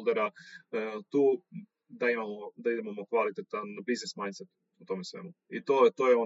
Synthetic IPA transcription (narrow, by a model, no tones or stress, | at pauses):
lˠd̪eɾa | t̪uː | d̪aimamod̪aid̪emamokʋalit̪et̪anbiznesmajnt̪set̪u̥ | ut̪o̞mesʋḛmuit̪ot̪ojeo